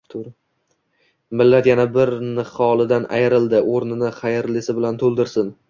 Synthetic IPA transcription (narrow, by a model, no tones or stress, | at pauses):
t̪ʰɾ | mɪlːat̪janabɪɾnɪχɒlˠɪd̪anʔa̰jɪɾɪld̪ɪʔoɾnɪnɪχajɪɾlɪsɪbɪlant̪ʰolˠd̪ɪɾsɪn